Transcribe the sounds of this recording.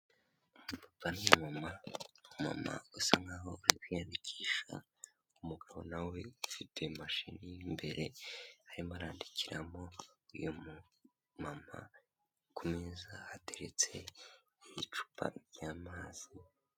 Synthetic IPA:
umupapanimamauma̰ma̰usaŋɡaho̞aɾikijandicʰiʃa̰ | umuɡaβonaweufitʰe̞maʃinijimbe̞ɾe̞aɾimaɾaːndicʰiɾa̰mo̞ujom | mama̰ | kumiːzahateɾet͡se̞ | ijit͡ʃu̥pʰa̰ɾjaːmaːz̥i

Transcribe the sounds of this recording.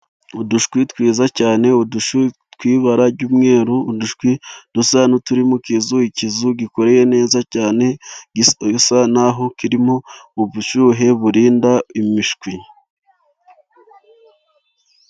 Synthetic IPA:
uduʃkwitwiːzacaːne̞uduʃutwiːβaɾaɾɟuːmŋe̞ːɾuːduʃkwid̥usanutuɾimukizuicizuɡiko̞ɾe̞je̞ne̞ːzacaːne̞ | sanaɦo̞kiɾimouβuʃuːɦe̞βuɾiːndaimiʃkwi

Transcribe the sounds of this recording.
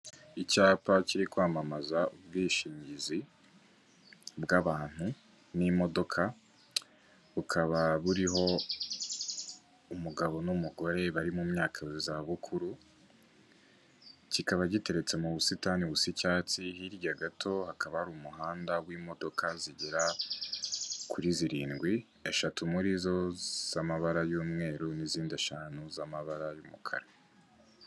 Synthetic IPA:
icaːpaciɾikwaːmamazaubɡiːʃiːɲɟizi | bɡaβaːn̥hu | nimo̞do̞kʰa | βukʰaβaβuɾiɦo̞ | muɡaβo̞numuɡo̞ɾe̞βaɾimumɲaːkʰazaβukʰuɾu | cikaβaɟite̞ɾe̞t͡se̞muβusitaniβusicaːt͡sihiɾɟaɡatʰo̞hakaβahɾumuɦaːndawimo̞do̞kʰaziɟiɾa | kʰuɾiziɾiːnɡwi | e̞ʃatʰumuɾizo̞z̥amaβaɾajuːmŋe̞ːɾuniziːndieʃaːnuzamaβaɾajumukʰa̰ɾe

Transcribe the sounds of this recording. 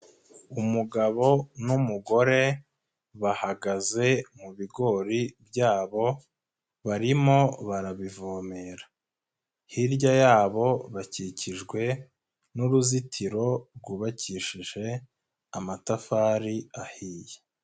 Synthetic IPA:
umuɡaβo̞numuɡo̞ɾe̞ | βahaɡaze̞muβiɡo̞ɾibjaːβo̞ | βaɾimo̞βaɾaβivomeɾḁ | hiɾɟajaːβo̞βaciciʒɡwe̞ | nuɾuzitʰiɾo̞ɾɡuβaciʃiʒe̞ | amatafaːɾiahiːje

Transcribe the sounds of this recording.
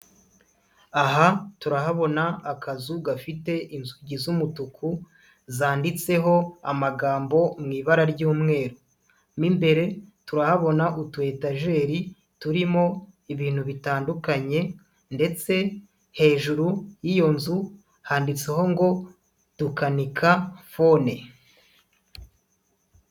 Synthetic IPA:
aɦatuɾaɦaβo̞naːkazuɡafite̞ʔinzuɟizumutukʰu | zaːndit͡se̞ɦo̞a̰maɡaːmbo̞mŋiːβaɾaɾɟuːmŋe̞ːɾo | mimbe̞ɾe̞tuɾahaβo̞naʔutwe̞ːtaʒe̞ːɾi | tuɾimo̞iβiːn̥huβitaːndukaɲe̞ | nde̞t͡se̞ | he̞ːʒuɾujijo̞nzu | haːndit͡seho̞ŋɡo̞ | tukanikʰafo̞ne

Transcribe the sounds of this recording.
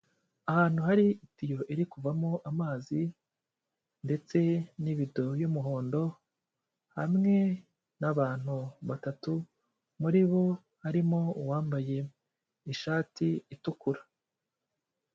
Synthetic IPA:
ahaːn̥huhaɾiitijo̞ʔeɾikuvamoʔamaːzi | nde̞t͡se̞niβideojumuɦo̞ːndo̞ | ha̰mŋe̞ | naβaːn̥huβatatu | muɾiβo̞ | haɾimo̞uwaːmbaje̞ | iʃaːtiitukuɾa

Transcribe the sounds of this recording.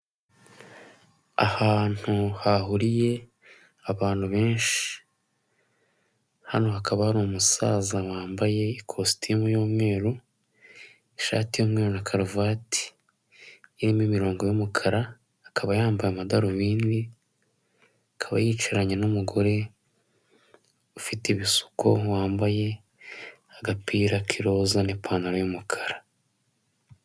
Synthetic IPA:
a̰haːn̥huhaɦuɾije̞ | aβaːn̥huβe̞ːnʃi̥ | hano̞hakaβahaɾimumusaːzawaːmbaje̞ikʰostijomujoːmŋe̞ːɾo | iʃa̰ːtijoːmŋe̞ːɾonakʰaɾuvaːti̥ | ɾimimiɾo̞ːŋɡo̞jumukʰaɾaː | kʰaβajaːmbajamadaɾuβiːndi | akʰaβa̰jit͡ʃiɾaɲenumuɡo̞ɾe̞ | ufitiβisu̥ko̞waːmbaje̞ | aɡapiːɾakʰiɾo̞ːzanepʰaːnaɾajomukʰḁɾa

